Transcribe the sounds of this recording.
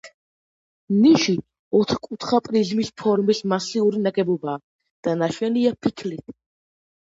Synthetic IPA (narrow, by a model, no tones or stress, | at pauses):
niʃi | ɔt̪ʰχkʼut̪ʰχapʼɾizmispʰɔɾmismasiuɾinaɡɛbɔbaː | d̪̥anaʃwɛniapʰikʰlit̪ʰ